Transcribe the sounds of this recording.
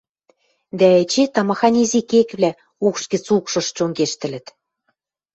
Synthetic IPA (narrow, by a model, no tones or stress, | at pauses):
d̪æet͡ɕet̪ɑmɑxɑnʲizikekβlʲæ | ukʃɡɘ̆t͡sukʃɤ̆ʃt͡ɕoŋɡeʃt̪ɘ̆lɘ̆t̪